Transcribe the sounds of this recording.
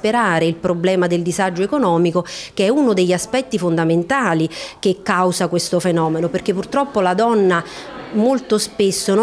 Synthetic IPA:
peɾaːɾeilpɾoblɛːmad̪eld̪izad͡ʒːoekonɔːmikok̟eɛunod̪eʎːaspɛt̪ːifond̪ament̪aːlik̟ekːawzakwest̪ofenɔːmenoperk̟epːurt̪ɾɔpːolad̪ɔnːamolt̪ospesːon

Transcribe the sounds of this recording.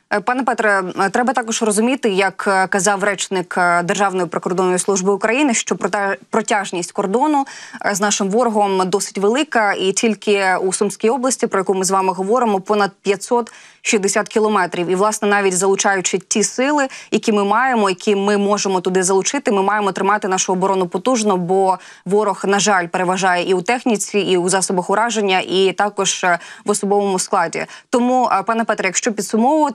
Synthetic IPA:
pɑnɛpɛt̪ɾɛt̪ɾɛbɐt̪ɑkɔʒrɔzʊmʲit̪ɪjɐkkɐzɑwrɛt͡ʃnɪkd̪erʒɑwnɔjipɾekɔrd̪ɔnːɔjisˠuʒbɪʊkɾɐjinɪʃt͡ʃɔppɾɔtʲaʒnʲisʲtʲkɔrd̪ɔnʊznɑʃɪmʋɔɾɔɦɔmd̪ɔsɪ̥tʲʋelˠɪkɐitʲilʲkɪusumsʲkʲijɔblˠɐsʲtʲipɾɔjɐkumɪzʋɑmɪɦɔʋɔɾɪmɔpɔnɐd̪̚pʲjɐtʲsɔt̪ | ʃizd̪esʲat̪kʲilˠɔmɛt̪ɾʲiwiʋlˠɑsnɛnɑʋʲitʲzɐlˠʊt͡ʃɑjʊt͡ʃɪtʲisɪlˠɪjɐkʲimɪmɑjemɔjɐkʲʰimɪmɔʒemɔt̪ʊd̪ɪzɐlˠʊt͡ʃɪt̪ɪmɪmɑjemɔt̪ɾɪmɑt̪ɪnɑʃʊɔbɔɾɔnʊpɔt̪uʒnɔbɔ | ʋɔɾɔxnɐʒɑlʲpeɾeʋɐʒɑjɛʔiut̪ɛxnʲit͡sʲiiuzɑsɔbɐxʊɾɑʒenʲːɐʔit̪ɑkɔʒ̥ʋɔsɔbɔʋɔmʊsklˠɑdʲḭt̪ɔmupɑnɛpɛt̪ɾɐjɐkʃt͡ʃɔpʲid̪sʊmɔʋʋɔ

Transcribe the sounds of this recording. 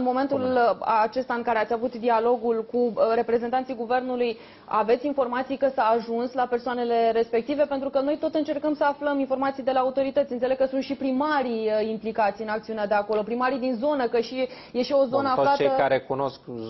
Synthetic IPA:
ɨnmo̞me̞nt̪ulat͡ʃe̞st̪aɨŋkaɾeat̪ʲavut̪d̪ialo̞ɡulkuɾe̞pɾe̞ze̞nt̪anijɡuve̞rnuluj | a̰ve̞t̪sʲinfo̞rmat̪sijkəsəːʒunslape̞rsoane̞le̞ɾe̞spe̞k̚t̪ive̞pent̪ɾukənojt̪o̞t̪ɨnt͡ʃe̞rkəmsəafləminfo̞rmat̪sijd̪e̞laut̪o̞ɾit̪ət̪sʲɨnt̪sele̞ɡ̚kəsunt̪ʃipɾimaɾiimplikat̪sijɨnak̚t̪siunead̪e̞ako̞lo̞pɾimaɾid̪inzo̞nəkəʃi | je̞ʃio̞zo̞nəafflatt͡ʃeəkaɾekuno̞sk

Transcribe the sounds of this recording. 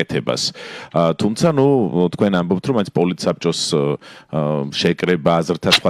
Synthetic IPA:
ɛt̪ʰɛba̰s | t̪ʰumt̪sʰanut̪ʰkʰwɛnambɔp̚t̪ʰɾɔmaĩnt̪sʰpʼɔlit̪sap̚t͡ʃʼɔs | ʃɛkʼɾɛbaːzɾt̪ʰasχwa

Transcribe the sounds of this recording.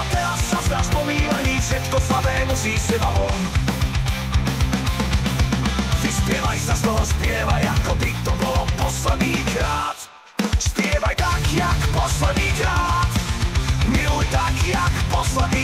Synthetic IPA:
at̪ɛɾasːasnaspɔmiːvaɲiːsɛt̪kɔslad̪ɛːmuziːsɪdɔɦɔm | vispjɛvajsast̪ɔɦɔspjɛvajakɔt̪it̪ɔbɔlɔpɔslɛd̪ɲiːɡɾaːt̪ | spjɛvajt̪akjakpɔslɛd̪ɲiːkɾat̪ | mɪujt̪akjakpɔslɛd̪iː

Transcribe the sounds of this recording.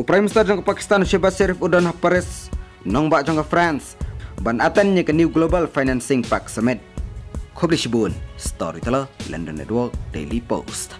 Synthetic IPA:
ʔupɾajimst̪ard͡ʒɔŋɡɔpaki̥st̪anuʃebasɛɾifudɔnhapaɾɛs | nɔŋbaʔt͡ʃɔŋɡɔfɾansbanat̪ɛnɲəkəniuɡlobalfajnansɪŋpaksəmɛt̪̚kʰɔbliʃibunst̪ɔ̰ɾit̪ələlɛ̰ndənɛ̰t̪wɔk̚dḛjlipo̰st̪

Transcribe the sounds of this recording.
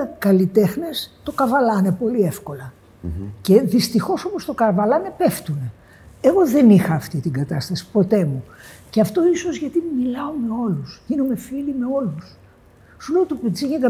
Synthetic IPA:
kɐlit̪e̞xne̞st̪o̞kɐvɐlɐne̞po̞liefko̞lɐ | ceðist̪ixo̞so̞post̪o̞kɐvɐlɐne̞peft̪une̞ | eɣo̞ðe̞nixɐːft̪it̪iŋɡɐt̪ɐst̪ɐsi̥po̞t̪e̞muceɐft̪o̞iso̞zʝɐt̪imilɐo̞me̞o̞lusʝinume̞filimeo̞lus | suleot̪upet͡siʝeɣɐ

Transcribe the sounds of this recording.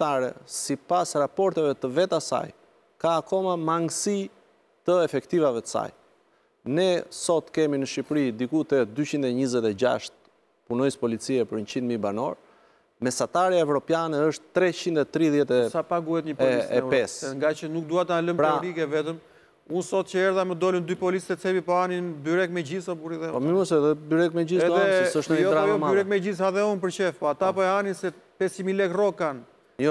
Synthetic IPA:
aɾɛ̰sipasɾapɔɾt̪ɛvɛt̪əvɛt̪asa̰j | kakɔmamaŋɡsi | t̪əɛfɛkt̪ivavɛt̪ə̥sa̰j | nɛsɔt̪kɛminəʃipɾid̪ikut̪ɛd̪yt͡ɕind̪ɛɲizɛt̪ɛd͡ʑa̰ʃt̪̚ | punɔjspɔlit͡siɛpəɾɲt͡ɕind̪mibanɔ̰ɾ | mɛsat̪aɾjaɛvɾɔpjanɛəʃt̪ːɾɛt͡ɕind̪ɛt̪ɾiðjɛt̪ɛsapaɡuhɛt̪ɲəpɔlisɛɛsɛŋɡat͡ɕənuk̚d̪uat̪aləmpɾalikɛvɛt̪əm | unsɔt̪cəɛɾðamɛd̪ɔlind̪ypɔlisɛt͡sɛβipɔaninbyɾɛkmɛd͡ʑisapuɾiðɛɔmiməsɛðɛbyɾɛkmɛd͡ʒisɛðɛssəʃt̪jɔɾajɔmayɾɛkmɛd͡ʑis̬aðɛunp̬əɾt͡ɕɛfpɔat̪apɔɛaninsɛpɛsəmilɛkrɔkan | jɔ

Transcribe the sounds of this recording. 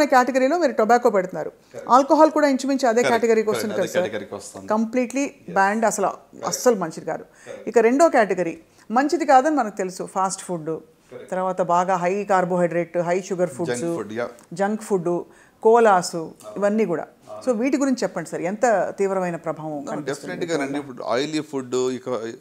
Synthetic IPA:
nɐkjaːʈeɡɐɾiːloːmiːɾuʈɔbaːkːoːpɛɽt̪unːaːɾu | a̰ːlkoɦaːlkuːɽaːiɲt͡ʃumint͡ʃiɐd̪e̞ːkaːʈeɡɐɾiːkoːst̪und̪ikɐd̪sɐɾkɐmpliːʈlibaːɳɖɐsɐluɐ̰sːɐlumɐɲt͡ʃid̪ika̰ːd̪u | ikɐɾe̞ɳɖoːkaːʈeɡɐɾiː | mɐɲt͡ʃid̪ikaːd̪ɐnimɐnɐku̥t̪e̞lusupʰaːsʈpʰuːɖu | t̪ɐɾʋaːt̪ɐbaːɡaːɦɐjkaːɾboːɦɐjɖɾeːʈːɦɐjʃuɡɐɾpʰuːɖsud͡ʒɐŋkpʰuɖːu | kɔːlaːsuiʋɐnːiːkuːɽa̰ːso̞ːʋiːʈiɡuɾiɲt͡ʃut͡ʃɛpːɐɳɖisɐɾiɛnt̪ɐt̪iːʋɾɐʋɐjnɐpɾɐbʱaːʋɐ̃mkɐnɐpistueʈanɐpːa̰ːjliːpʰuɖikɐ

